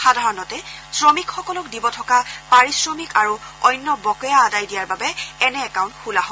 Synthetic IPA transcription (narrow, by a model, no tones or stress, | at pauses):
xadʱaɹɔnɔtɛsɹɔmikxɔkɔlɔkdibɔtʰɔkapaɹisɹɔmikaɹuɔjnːɔbɔkɔjaːdajdijaɹbabɛɛnɛːkaw̃ntxulaɦɔ